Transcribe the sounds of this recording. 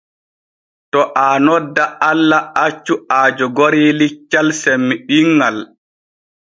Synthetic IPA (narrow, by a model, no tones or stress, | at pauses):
tɔʔaːnɔdːaalːaat͡ʃːuaːd͡ʒɔɡoɾiːlit͡ʃːalsɛmːiɓiŋːɡal